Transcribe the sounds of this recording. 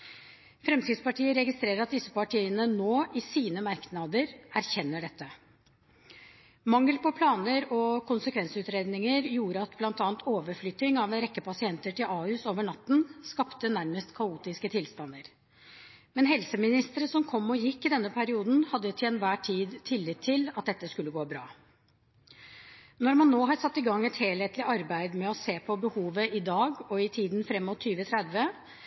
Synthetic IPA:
fɾɛmt̪ɪd̪spɑʈiːəɾɛɡɪst̪ɾeːɾəɾɑt̪̚d̪ɪsːəpɑʈʰiːənənoːʔɪsiːnəmɑɾknɑd̪əɾæɾçɛnːəɖɛt̪ːə | mɑŋːəlpɔpʰlɑːnəɾɔkʰʊnsəkʰʋɛnsʉːt̪ɾeːd̪nɪŋəɾjuːɾəɑt̪blɑnt̪ɑːnt̪ʰoːʋəɾflʏt̪ːɪŋɑʋnɾɛkːəpɑsɪɛnt̪əʈɪlʔɑːʉːsoːʋəɳɑt̪ːn̩skɑpt̪ənæɾməst̪kʰɑuːt̪ɪskət̪ʰɪlst̪ɑnd̪əɾ | mɛnɦɛlsəmɪnɪst̪əɾəsɔmkʰɔmːɔjɪkːɪd̪ɛnːəpʰæɾɪuːd̪n̩hɑd̪ːət̪ʰɪɛnʋæːʈʰiːd̪t̪ʰɪlːɪt̪ʰːɪlɑt̪̚d̪ɛt̪ːəskʉlːəɡoːbɾɑ̰ː | nɔɾmɑnːoːɦɑɾsɑt̪ːɪɡɑŋːɛt̪heːlhɛt̪lɪʔɑɾbæɪd̪mɛɔseːpʰɔbəhuːʋəʔɪd̪ɑːɡɔɪt̪ʰiːd̪n̩fɾɛmːɔt̪ʰːyːʋət̪ʰɾɛd̪ʋə

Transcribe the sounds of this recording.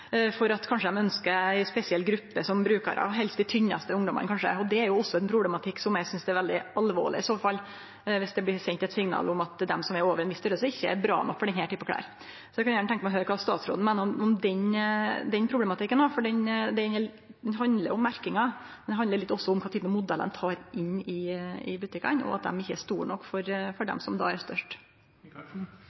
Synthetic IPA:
fɔɾɑt̪kʰɑnʂəd̪ɛmœnskəɛspɛsɪɛlɡɾʉpːəsɔmbɾʉːkɑ̰ɾʔɑ̰ʋɦɛlst̪ɪt̪ʰʏɲːɑ̰st̪əʊŋd̪ɔmə̰nkʰɑnʂə̰ɔd̪ɛːɾjʊɔsːɔɛnpʰɾʊblɛmɑt̪ʰɪkːsɔmjæɪsʏnsd̪ɛæɾʋɛld̪ɪɑlʋo̰ːɭɪ̰ɪsoːfɑlː | ʋɪsd̪ɛblɪsɛnt̪ɛt̪sɪŋnɑ̰ːlʊmɑt̪d̪ɛ̰msɔmɛɾoːʋəɾɛnʋɪst̪œləsɔɪçːəɛ̰ɾbɾɑ̰ːmɛ̰fɔɖɛnhɛːʈ̪ʰyːpːəkʰlæ̰ːɾ | sɔjæɪkʰɑnjæːɳət̪ʰɛŋkəmɛɔɦøːɾəkʰɑːst̪ɑ̰ːt̪sɾo̰ːnmɛːnəɾʊmʊmd̪ɛnd̪ɛnpʰɾʊblɛmɑt̪ɪkːənɔfɔɖɛnd̪ɛɛnə | d̪ɛnɦɑnd̪ləɾʊʊmːæɾkɪŋɑd̪d̪ɛɦɑnd̪əɾɭɪt̪ːɔsːɔʊmkʰɑːt̪yːpənɑmʊd̪ɛlə̰nt̪ʰɑːɾɪnːɪɪ̰bʉt̪ɪkɑ̰nɔ̰ɑ̰t̪̚d̪ɛ̰mɪçːəæʂt̪uːɾɳɔkːfɔɾfɔɖɛ̰msɔmd̪ɑ̰ːæɾst̪œʂʈ

